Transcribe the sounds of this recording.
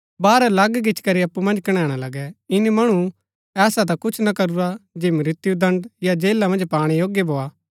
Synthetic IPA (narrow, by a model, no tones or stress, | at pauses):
baːɾɛlɐɡɡɪt͡ʃʰkɐɾiɐpːumɐ̃nd͡ʒkɐɽ̃ɛːɽ̃alɐɡɛɪnimɐɽ̃u | ɛːsat̪̬akʊt͡ʃʰnɐkɐɾuɾad͡ʒeːmɾɪt̪ɪjud̪ɐ̃ɳɖjad͡ʒeːlamɐ̃nd͡ʒpaːɽ̃ijoːɡjebʱoːa